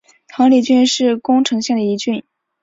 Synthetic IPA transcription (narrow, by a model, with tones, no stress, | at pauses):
t̪ʰɑ˧˥ŋli˨˩t͡ɕy˥nʂɻ̩˥˩kʊ˥ŋʈ͡ʂʰɤ˧˥ŋɕjɛ˥˩ŋd̪ə˩i˧˥t͡ɕy˥˩n